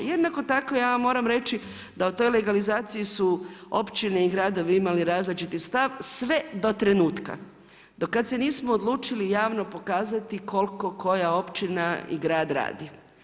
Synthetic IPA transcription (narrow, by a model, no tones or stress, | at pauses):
jed̪nako̞t̪ako̞jaːmo̞ːɾamɾe̞t͡ʃi | d̪aut̪o̞jle̞ɡalizaːt̪sijisuo̞̰pt͡ʃine̞iɡɾaːd̪o̞ʋiimaliɾaːzlit͡ʃit̪ist̪aʋsʋe̞d̪o̞t̪ɾe̞nuːt̪ka̰ | d̪̥okːad̪seniːsmoːd̪lˠuːt͡ʃilijaːʋno̞po̞kaːzat̪iko̞lko̞ko̞jao̞pt͡ʃinaḭɡɾaːd̪ɾa̰ːd̪i